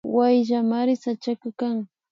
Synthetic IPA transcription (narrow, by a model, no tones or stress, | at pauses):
wajʒamaɾɪsat͡ʃakakaŋ